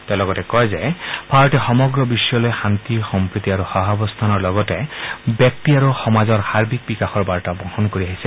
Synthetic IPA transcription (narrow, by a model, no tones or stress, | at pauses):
t̪elɔɡɔtekɔjzepʰaɹɔʈexɔmɔɡɾɔbisjɔlɔjxant̪ixɔmpɾit̪iaɾuxaɦabɔst̪ʰanɔɹlɔɡɔtebjɔk̚t̪iaɾuxɔmazɔɹhaɾbʱik̚bikaxɔɹbaɹʈabɔhɔnkoɾiaɦise